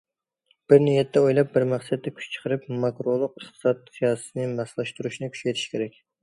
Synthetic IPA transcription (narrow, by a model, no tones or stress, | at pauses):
b̥ɪɾnijɛt̪ʰːɛojlˠɑp̚bɪɾmɑχsɛt̪ːɛkʲʰy̥t͡ʃt͡ʃʰə̥qʰəɾɨp̚mɑkɾolˠʊq̚eχt̪ɨ̥sɑt̪̚sijɑːsɨ̥t̪ɨnɨmɑslˠɑʃt̪uɾuʃnɨkʲʰy̥ʃɛjt̪ʰi̥ʃkʲʰeɾɛkʲ